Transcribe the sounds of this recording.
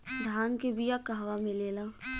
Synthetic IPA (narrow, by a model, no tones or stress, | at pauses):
d̪ʱaːnkebijakaɦʋamẽleːla